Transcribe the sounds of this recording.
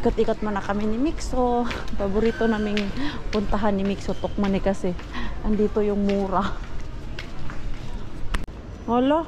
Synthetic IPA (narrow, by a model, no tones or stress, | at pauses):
ʔikot̪̚iːkot̪̚manɐkɐmɪnɪmiksopɐbʊɾiːt̪onamɪŋpʊnt̪ɐɦanːɪmiksot̪ok̚manɛkɐsɛʔɐnd̪iːt̪ojʊŋmuːɾa | holo